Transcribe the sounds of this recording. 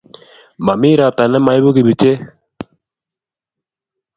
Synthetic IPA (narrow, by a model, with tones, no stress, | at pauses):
ma˨mi˦ɾa˨p̚ta˨nɛ˦ma˨ɪ˦bo˦ki˨bi˨t͡ʃe˦